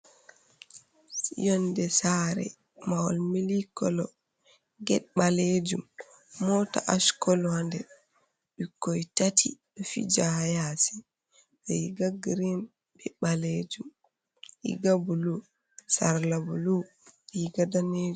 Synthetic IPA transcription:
jɔndɛsaɾɛ̰ | mawa̰lmilikɔlɔ | ɡɛɗɓaled͡ʒumː | ɔta̰ʔaskɔlɔandɛ | ɗikːɔjtatʰḭɗɔfḭd͡ʒajasi | zɛjɡaɡɾin | bɛɓaled͡ʒum | ḭɡabulu | saɾlabulu | iɡadaned͡ʒ

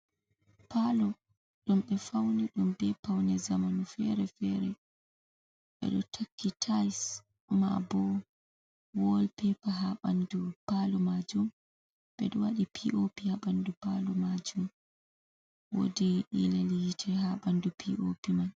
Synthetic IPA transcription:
palɔ | ɗumɓɛfawniɗumbɛpawnɛzamanufɛɾɛfɛɾɛ | ɓɛ̰ɗɔtʰakʰːitʰajs | ma̰bɔ | wɔlpɛpaɦaɓandupalɔmad͡ʒum | ɓɛɗɔwaɗipʰiʔopihaɓandupalɔmad͡ʒum | wo̰diɗḭlalijitʰɛɦaɓandupʰiʔopiman

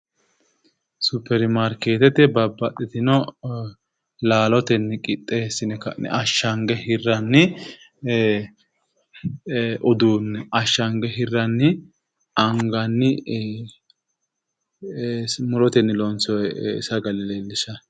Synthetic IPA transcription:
supːɛɾmaɾke̞ːt̪ɛt̪ɛbɐbːɐt̪ʼːɛt̪ɪnɔ | laːlɔt̪ɛnːɪkʼɪt̪ʼːeːsɪnɛkɐn̰ʔɐʃːɐŋɡɛhɪrːɐnːɪ | ʔɔd̪uːnːɛɐʃːɐŋɡɛɦɪrːɐnːɪ | ɐŋɡɐnːɪ | mʊɾɔt̪ɛnːɪlɔnsɔɛɪ̰sɐɡɐlɪleːlːɪʃɐ

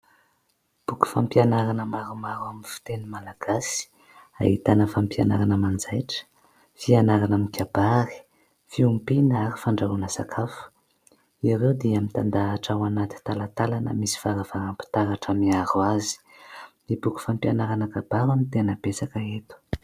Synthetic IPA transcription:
b̥uku̥fampianaɾanəmaɾumaɾwaminfi̥t̪enimalaɡ̥asi̥ | a̰ḭt̪anəfampianaɾanəmand͡zajʈ͡ʂə̥ | fianaɾanamikʲabaɾi̥ | fiumpinaɾi̥faɳɖ͡ʐaɾunəsakʰafə̥ | iɾewd̪iamit̪and̪aːʈ͡ʂawanat̪i̥t̪alat̪alanə̰misi̥faɾavaɾampi̥t̪aɾaʈ͡ʂamiaɾuazi̥nibuku̥fampianaɾanəkabaɾamint̪enəb̥esakəet̪u̥

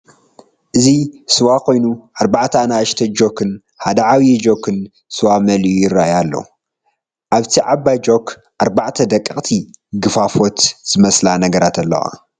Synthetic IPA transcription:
ʔɨzisɨwakʰo̞jnuʔaɾbaʕt̪ʰanaʃt̪ʰɐd͡ʒokʰɨn | had̪ɐʕawiɛd͡ʒokʰːɨn | sɨwamɐljujɪɾːaʔjalːɐ̰u | ʔaβt̪ʰiʕabajd͡ʒo̞k | ʔaɾbaʕt̪ʰɐd̪ɐkʼːɨχʼt̪ʰiɡɨfafo̞t̪z̥ɨmɐslanɐɡɐɾat̪ʰɐlːɐ̰wa̰

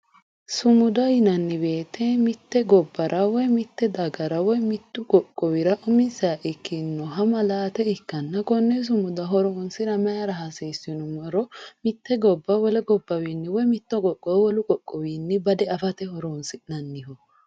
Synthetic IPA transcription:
sʊmʊd̪ɐjɪnɐnːɪbe̞ːt̪ːɛmɪt̪ːɛɡɔbːɐɾʔɐwɔjmɪt̪ːɛd̪ɐɡɐɾɐwɔjmɪt̪ːʊkʼɔkʼːɔwɪɾɐʔɔmɪsaʔɪkːɪnːɔɦɐmɐlaːt̪ɛɪkːɐnːɐkɔnːɛs̬ʊmʊd̪ɐɦɔɾoːnsɪɾɐmɐjɐɾɐɦɐsiːsːɪnʊmɔɾɔmɪt̪ːɛɡɔbːɐwɔlɛɡɔbːɐwinːɪwɔjmɪt̪ːɔɡʼɔkʼːɔwwɔlʊkʼɔkʼːɔwiːnːɪbɐd̪ɛɐfɐt̪ɛhɔɾoːnsɪnɐnːɪhɔ

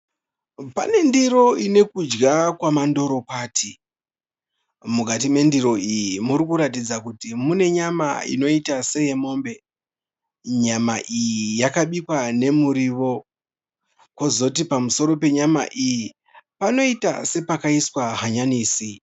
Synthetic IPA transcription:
pa̰ne̞ndiɾo̞ine̞kud͡ʒɡakwamando̞ɾo̞kwaːtʰi | mukatime̞ndiɾo̞ijimuɾikuɾatid͡zakutimune̞ɲama̰ḭno̞itase̞je̞mo̞ːmbe̞ | ɲamaʔijijakaɓikwane̞muɾiʋo̞ | kwo̞zout̬ipamuso̞ɾo̞pe̞ɲama̰ʔiji | pano̞ita̰se̞pakaiswaɦaɲaniːsi

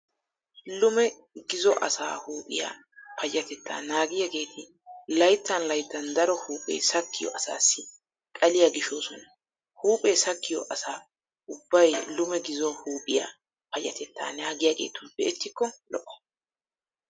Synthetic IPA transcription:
lʊmɛ | ɡɪzɔʔɐ̰sa̰ːhuːpʼɪja̰ː | pʰɐjːɐt̪ɛt̪ːa̰ːnaːɡɪjɐɡe̞ːt̪ʰɪ | lɐjt̪ːɐnlɐjt̪ːɐnd̪ɐɾɔhuːpʼḛːsɐkːɪjɔ̰ʔɐsa̰ːsːɪ | kʼɐlɪjɐɡɪʃoːsɔnɐ | huːpʼeːsɐkːɪjɔ̰ʔɐsaː | ʊbːɐjlʊmɛɡɪzɔhuːpʼɪja̰ | pɐjɐt̪ʰɛt̪ːa̰ːnaːɡɪjaɡe̞̰ːt̪ʊnbɛʔɛt̪ːɪkːɔlɔʔɔ̥

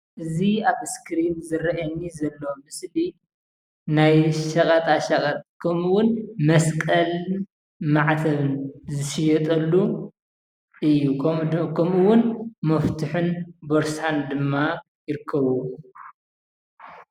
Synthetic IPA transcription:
ʔɨziaβskʰɾinzɨɾɐʔɐnːizɐlːomɨsli | najʃɐkʼɐt̪ʼaʃɐχʼɐt̪kʰɐmuwʊnmɐskʼɐl | maʕt̪ʰɐβɨnzɨʃɪjɛt̪ʼɐlːu | ʔɨjːukʰɐmuwʊnmɐft̪ʰɨħɨnboɾsand̪ɨmːa | jɪɾɨkʰːɐβu

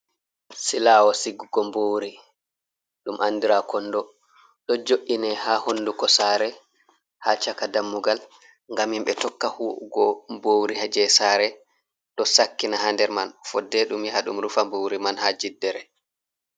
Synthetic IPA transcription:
silawɔsiɡːuɡɔmbowɾi | ɗumʔanːdiɾakɔnːdɔ | ɗɔd͡ʒoʔːinɛhahonːdukɔsaɾɛ | hat͡ʃakadamːuɡal | ŋɡamimɓɛtɔkːahuɡɔmbowɾihad͡ʒɛsaːɾɛ | ɗɔsakːinaɦandɛɾmanfɔdːɛɗumjihaɗumɾufambowɾimanhad͡ʒidːɛɾɛ

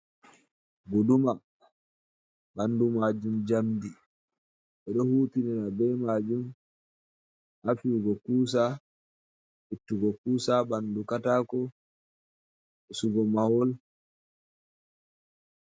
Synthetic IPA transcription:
ɡoduma | banːdumad͡ʒumd͡ʒamdi | ɓɛɗɔhuːtinɛnabɛmad͡ʒum | hafiːɡɔkuːs̬a | hitːuɡɔkuːsabandukataːkɔ | ɛsuɡɔmawɔl

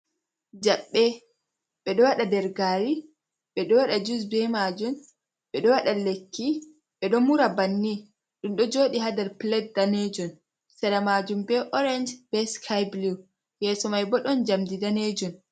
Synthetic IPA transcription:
d͡ʒaɓːɛ | ɓɛɗɔwaɗadɛɾɡaːɾi | ɓɛɗɔwaɗad͡ʒus̬bɛmaːd͡ʒum | ɓɛɗɔwaɗalekʰːi | ɓɛɗɔmuɾabanːi | ɗunɗɔd͡ʒoːɗihadaɾplɛt̚daned͡ʒun | sɛɾamaːd͡ʒumbɛʔɔɾɛnd͡ʒb̥ɛskʰajbli | jɛːsɔmajbɔɗɔnd͡ʒamdidaned͡ʒumn

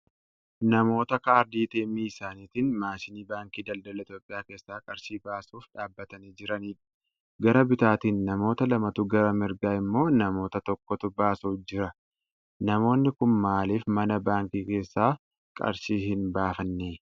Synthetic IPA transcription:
nɐmo̞ːt̪ɐkaːɾd̪iːt̪eːmːiːɪsaːniːt̪ɪnmaːʃɪniːbaːŋkiːd̪ɐld̪ɐlɐɪt̪jo̞ːpʼɪjaːke̞ːsːaːkʼɐɾʃiːbaːsuːfᶑaːbːɐt̪ɐniːd͡ʒɪɾɐniːᶑɐ̥ | ɡɐɾɐbɪt̪aːt̪iːnːɐmo̞ːt̪ɐlɐmɐt̪ʊɡɐɾɐmɪɾɡaːɪmːo̞ːnɐmo̞ːt̪ɐt̪ɔkːɔt̪ʊbaːsuːd͡ʒɪɾɐ | nɐmo̞ːnːɪkʊnmaːliːfmɐnɐbaːŋkiːke̞ːsːaː | kʼɐ̰ɾʃiːhɪnbaːfɐnːeː

